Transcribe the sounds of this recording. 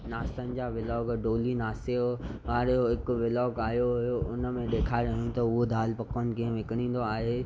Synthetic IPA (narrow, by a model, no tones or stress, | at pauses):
naːsənɪ̆d͡ʑaʋɪlɔːɡɖoːlinaːseʋaːɾoɦɪkʋɪlɔːɡaːɦijoɦʊjoʔʊnəmẽɗ̪eːkʰaːeɾɐɦũt̪ɐʊɦod̪ʱaːlpɐkən̆kĩɦə̃ʋɪkəɽ̃ĩːn̆d̪oaːɦeː